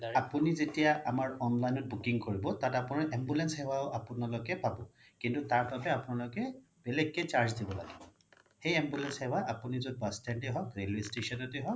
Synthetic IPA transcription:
apunizetijaʔamaɹɔnlajnɔt̚bukiŋkoɹibɔtatapʊnaɹʔɛmbulɛnshɛwaʊʔapʊnalɔkɛbʱabɔ | kintutaɹbabɛapʊnalɔkɛ | b̥ɛlɛɡ̚ːejt͡ʃaɹzdibɔla̰ɡɛbɔ | xejɛmbulɛnshɛwaʔapunizɔd̚bastɛnteɦɔkɹelistesɔnɔteɦɔk

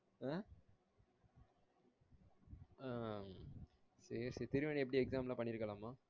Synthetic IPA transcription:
a | aː | sɐɾsɐɾt̪ɪɾɯʋeːɳiɛpːɐɽiɛksaːmlaːpɐɳːɪɾɯkːɐlaːmaː

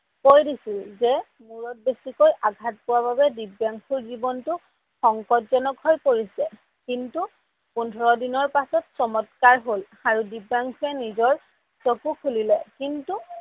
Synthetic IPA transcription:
kojdisilzɛ | muɹɔt̚besikojʔaɡʱat̚pʊwaβabɛdibjaŋkʰuɹzibɔntʊ | xɔŋkɔtzɔnɔkɦojkoɹisɛ | kintu | pundʰʱɔɹɔdinɔɹpasɔtsɔmɔtkaɹɦol | aɹudibaŋkʰuɛnizɔɹ | sokukʰulilɛkintu

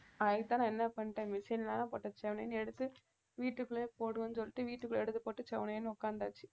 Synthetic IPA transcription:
ɐðɐkɯt̪ːãːnãɛnːɐpɐɳʈːẽmɪsɐnlaːnãːpoːʈːɐt͡ʃɛʋɐnɐ̰jnɛɽɯt̪ːɯ | ʋiːʈːɯkːɯɭepoːɽɯɐnːɯsɔlːɪʈːɯʋiːʈːɯkːɯɭɛɽɯt̪ːɯpoːʈːɯt͡ʃɛʋɐnɐjenːɯʊkːaːnd̪a̰ːt͡ʃːi̥

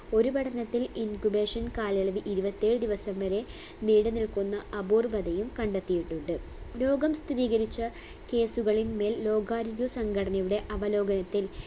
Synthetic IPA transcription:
o̞ɾuʋɐʈɐnɐt̪ːilinkubeːʂɐnkaːlɐɭɐʋiʔiɾubɐt̪ːeːɻɨd̪iʋɐsɐmʋɐɾe̞ | niːɽɐniɭkunːɐɐbuːrʋɐd̪ɐjumkɐɳɖet̪ːijiʈːuɳɖɨ | lo̞ːɡɐmst̪ʰiɾiːɣɐɾit͡ɕːɐ | ke̞ːsuɣɐɭinme̞ːllo̞ːɡaːɾiɣusɐŋɡɐɽɐnɐjuɽe̞ʔɐʋɐlo̞ːɡɐnɐt̪ːil

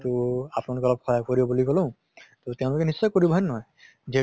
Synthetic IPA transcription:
tuapnalʊkeɔlɔb̚kʰɔjakkoɹibɔbulikɔlũ | t̪otɛ̃ʊ̃lʊkɛnisːɔkoɹibɔɦɔjnːɔɦɔj | ze

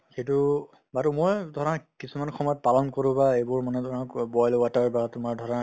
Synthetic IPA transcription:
xejtʊ | batʊmɔjdʱɔɹãkisumankʰɔmɔjɔt̚palɔnkoɹʊ̃baejbʊɹmanɛtɔɹãkbɔjlwataɹbatʊmaɹdʱɔɹa

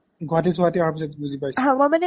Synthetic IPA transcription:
ɡʱɔɹatesuatiaaɹpisɔtbuzipajsɦãmɔjmanɛ

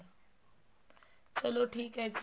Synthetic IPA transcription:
t͡ʃɐloʈʰiːkɦɛk

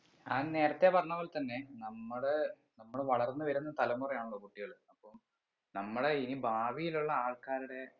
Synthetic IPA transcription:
aːne̞ːɾɐt̪ːepɐrɐɲːɐʋoːlt̪ɐnːe̞nɐmːɐɽe | nɐmːuɽeʋɐɭɐrnːɨʋɐɾunːɐt̪ɐlɐmːurɐjaːɳoɭːɐkuʈːiɣɐɭɐpːom | nɐmːuɽeinibʱaːʋijiluɭːɐaːɭkaːɾuɽe̞

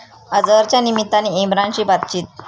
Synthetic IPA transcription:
əd͡zəɾt͡ɕjanimit̪ːaniemɾant͡ɕiːbat̪t͡ɕiːt̪̚

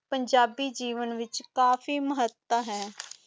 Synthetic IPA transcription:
pəɲd͡ʒaːbiːd͡ʒiːʋənʋɪt͡ʃkaːfiːməɦət̪ːaɦɛː

